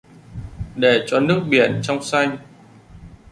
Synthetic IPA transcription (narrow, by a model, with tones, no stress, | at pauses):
ɗe˧˩t͡ɕɔ˧nɨ˦˥ək̚ɓi˧˩˨ənt͡ɕɔ˧wŋ͡msa˧jŋ̟